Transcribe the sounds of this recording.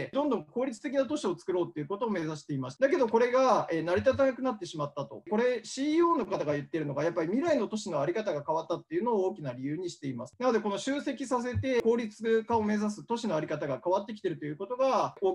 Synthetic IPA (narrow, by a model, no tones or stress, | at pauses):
d̪õ̞nd̪õ̞ŋŋko̞ːɾʲit͡sɨ̥t̪e̞kʲinat̪o̞ɕio̞t͡sɨ̥kɯ̟ɾo̞ːt̪ːeiɯ̟ko̞t̪o̞ːme̞zaɕi̥t̪e̞imaɕi̥t̪d̪ake̞d̪o̞ko̞ɾe̞ɡaenaɾʲit̪at̪anakɯ̟nat̪ːe̞ɕimat̪ːat̪o̞̰ko̞ɾe̞ɕiːoːno̞kat̪aɡajɯ̟t̪ːe̞ɾɯ̟no̞ɡajapːaɾʲimʲiɾaino̞t̪o̞ɕino̞aɾʲikat̪aɡakaβat̪ːat̪ːe̞iɯ̟no̞ːoːkʲinaɾʲijɯ̟ːɲ̟iɕi̥t̪e̞imasɨ̥nano̞d̪e̞ko̞no̞ɕɨːse̞kʲisas̬e̞t̪e̞ko̞ːɾʲit͡sɨkão̞me̞zas̬ɨt̪o̞ɕino̞aɾʲikat̪aɡakaβat̪ːe̞kʲi̥t̪e̞ɾɯ̟t̪o̞jɯ̟ko̞t̪o̞ɡaoː